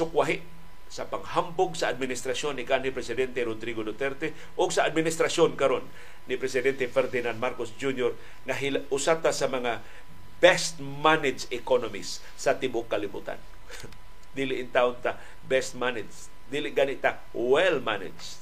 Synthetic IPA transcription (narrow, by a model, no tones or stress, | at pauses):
sʊkwaɦɪʔ | sapaŋhambʊɡsaad̪̚mɪnɪst̪ɾasjonːɪkanːɪpɾɛsɪd̪ɛnt̪ɛɾod̪ɾiɡod̪ot̪ɛɾt̪ɛ | ʔʊɡsaad̪̚mɪnɪst̪ɾasjonkaɾonː | ɪpɾɛsɪd̪ɛnt̪ɛfɛɾd̪ɪnanmaɾkosd͡ʒunjoɾ | ŋaɦilʊsat̪asamɐŋa | bɛst̪ | manɪdsɪkonomisː | at̪ɪbʊŋkːalibṵt̪a̰n | d̪iːlɪʔɪnt̪aʔʊnt̪a | bɛst̪̚manɪds | d̪iːlɪʔɡanɪʔt̪a | wɛlmanɪ̰dd͡ʒ